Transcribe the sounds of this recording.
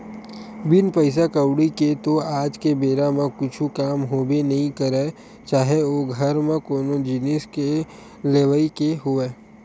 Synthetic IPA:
bɪnpəɪs̬akəwɽiket̪oaːd͡ʒkebeːɾamẽkʊt͡ʃʰukaːmɦoːbenɐɦĩkɐɾe | t͡ʃaːɦeoːɡʱɐɾmẽkoːnod͡ʒɪneske | leːʋəikeɦʊeː

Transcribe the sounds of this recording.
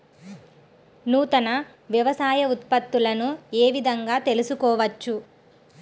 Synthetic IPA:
nuːt̪ɐnɐ | ʋjɐʋɐsaːjɐut̪pɐt̪ːulɐnueːʋid̪ʱɐŋɡaːt̪e̞lusukɔːʋɐt͡ʃːu

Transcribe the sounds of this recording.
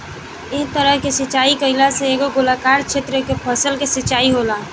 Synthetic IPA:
ɪɦt̪əɾəɦkesɪt͡ʃaːikəɪlaseeːɡoɡʊlakaːɾkt͡ʃʰeːt̪ɾəkepʰəsəlkesɪt͡ʃaːiɦoːlaː

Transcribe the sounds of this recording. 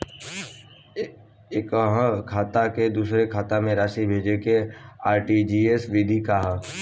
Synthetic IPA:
kɦkʰaːt̪aked̪uːsɾekʰaːt̪amẽɾaːʃibʱeːd͡ʒekeaːɾʈid͡ʒiːesʋid̪ʱikaɦ

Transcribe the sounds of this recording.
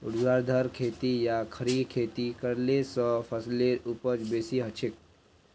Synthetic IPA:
ʊɽd͡ʒwaːɾd̪ʱəɾkʰeːt̪ijakʰəɾikʰeːt̪ikəɾlesə̃pʰəsleupət͡ʃbeːsiɦət͡ʃʰɪk̚

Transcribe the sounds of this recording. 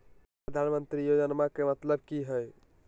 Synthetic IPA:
pɾəd̪ʱanmənt̪ɾijod͡ʒənmakemət̪ləb̚kiɦəj

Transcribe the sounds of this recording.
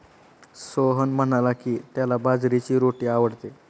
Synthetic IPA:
soɦənm̤əɽalakiːt̪jalabad͡zɾit͡ɕiːɾoʈiːaʋəɽt̪e

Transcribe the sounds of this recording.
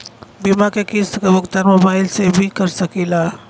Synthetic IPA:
bimakekisəkebʊkt̪aɾmobaɪlsebʱikəɾsəkila

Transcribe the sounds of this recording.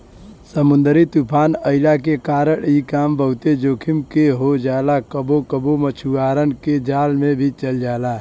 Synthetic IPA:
səmʊ̃nd̪ɾit̪upʰaːnəɪlakekaːɾəɽikaːmbəɦʊt̪ed͡ʒoːkʰimkeɦod͡ʒaːlakəbokəbomət͡ʃʰuaːɾənked͡ʒaːlmẽbʱit͡ʃəld͡ʒaːla

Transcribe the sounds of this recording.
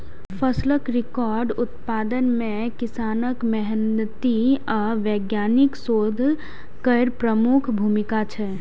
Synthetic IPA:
pʰəsləkɾɪkɔːɾɖʊt̪paːd̪ənmẽkɪsaːnəkmɛɦɛnət̪iaʋɛːɡjaːnɪksoːd̪ʱ | kəɪɾpɾəmukʰbʱumikat͡ʃʰɛ

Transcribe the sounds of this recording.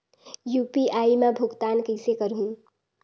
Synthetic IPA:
jupiʔaimabʱuɡt̪aːnkəɪsekəɾɦũ

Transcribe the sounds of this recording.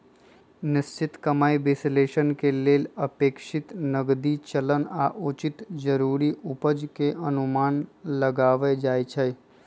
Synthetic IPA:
nɪst͡ʃɪt̪kəmaːibeːsleːʃənkeleːlɐpeːkʃɪt̪nəɡd̪it͡ʃələna̰ːʔuːt͡ʃɪt̪d͡ʒəɾuːɾiʔʊpəd͡ʒkeʔɐnʊmaːnləɡaːʋed͡ʒaːet͡ʃʰə

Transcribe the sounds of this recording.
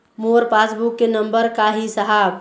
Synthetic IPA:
moɾpasbukːenəmbəɾkaɦisəɦab

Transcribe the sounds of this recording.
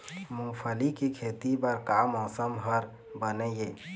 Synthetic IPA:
mũpʰəlikekʰet̪ibəɾkamɔsəmɦəɾ | bənəje

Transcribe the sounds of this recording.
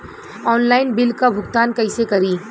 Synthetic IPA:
ɔːnlaːɪnbɪlkabʱʊɡt̪aːnkɐɪsekɐɾiː

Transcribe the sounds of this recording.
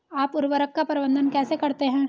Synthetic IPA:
aːpʊɾʋəɾəkːapɐɾɪbə̃nd̪ʱənkɛːsekɐɾt̪eɦɛ̃ː

